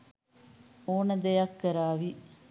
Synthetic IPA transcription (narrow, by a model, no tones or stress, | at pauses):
oːnɐd̪ejɐkːəɾaːʋi